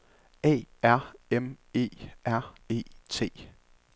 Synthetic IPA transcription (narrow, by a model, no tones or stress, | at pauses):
ɛ̰ːæɐ̰eme̝̰ːʔæɐ̰e̝̰ːt͡sʰe̝̰ː